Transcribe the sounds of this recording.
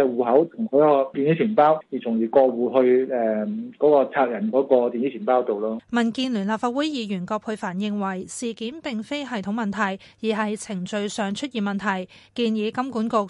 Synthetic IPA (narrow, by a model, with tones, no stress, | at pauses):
ɛ˨˧wuː˨˩ɦɐ˨˥wt̪ʰʊ˨˩ŋkʰɔ˨˥ɔ˧t̪iː˨ni˨˥t͡ʃʰiː˨˩npaː˥wjiː˨˩t͡sʰʊ˨˩ŋjiː˨˩kɔː˧wuː˨˩ɦɵ˧ɥɛː˨˧kɔː˨˥kɔː˧t͡sʰaː˧k̚jɐ˨˩nkɔː˨˥kɔː˧t̪iː˨niː˨˥t͡sʰiː˨˩npaː˥wt̪o˨wlɔː˥mɐ˨˩nkiː˧nly˨˩nlaː˨p̚faː˧t̚wuː˨˥jjiː˨˧jyː˨˩nkɔː˧k̚pʰhʰʊ˧ɥfaː˨˩njɪ˧ŋwɐ˨˩jsiː˨kiː˨˥nt̪ɪ˨ŋfe˥jɦɐ˨jt̪ʰʊ˨˥ŋmɐ˨nt̪ʰɐ˨˩j | jiː˨˩ɦɐ˨jt͡sʰɪ˨˩ŋt͡ʃɵ˧ɥsœː˨ŋt͡ʃʰɵ˥t̚jiː˨˩mɐ˨nt̪ʰɐ˨˩j | kiː˧njiː˨˧kɐ˥mkuː˨˥nkʊ˧k̚